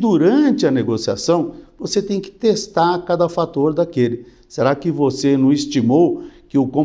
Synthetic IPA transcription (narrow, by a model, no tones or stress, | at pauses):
d̪uɾɐ̃t͡ʃɪɐneɡosia̰sɐ̃w̃voset̪ẽj̃kɪ̥t̪est̪aɾkad̪ɐfat̪oɾd̪akelɪ | seɾakɪvosenɐ̃w̃ist͡ʃimowkɪʊkõ